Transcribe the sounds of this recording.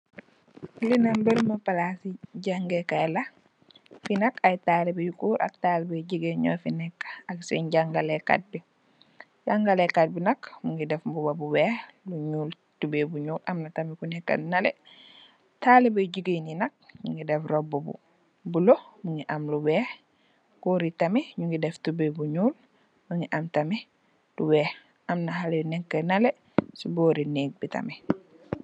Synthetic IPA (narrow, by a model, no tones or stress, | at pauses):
linambəlmapalasiɟaŋɡɛkajla | finakajtaːlɛbejukuːɾʔa̰k̚talɛbajɟiɡeɲɔ̰finɛkːaksɛ̰ɲɟaŋɡalɛka̰t̚bi | ɟaŋɡalɛkat̚binakmuŋɡidɛfbubabuwɛhluɲuːl | tubebuɲuːlʔamnatamikunɛkːa̰nnalɛ̰ | taːlebɐɟuɡininɐk̚ɲuŋɡidɛfrɔbubṵ | bulomuŋɡiʔɐmluwɛːh | koɾitɐmiɲuŋɡidɛftubebuɲuːl | muŋɡiʔamtɐmi | duwɛːh | ʔɐmnɐɦalɛnɛkːənɐle | suboːɾiniːɡ̚bitɐ̰mi